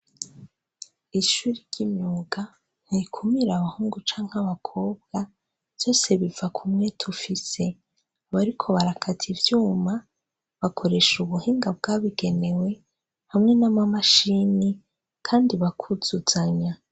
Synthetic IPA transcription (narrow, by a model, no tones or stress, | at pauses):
iʃuːɾiɾɟ̥imɲuːɡa | n̥iikʰumiɾaβahuːŋɡut͡ʃaːŋ̥haβakʰo̞ːbɡa | z̥o̞ːse̞βivakʰumŋe̞tʰufise̞ | βaɾikʰo̞βaɾakʰatʰivjuːma | βakʰo̞ɾe̞ʃuβuhiːŋɡabɡaβiɡe̞ne̞we̞ | hamŋe̞namamaʃini | kʰaːndiβakʰuz̥uz̥aɲa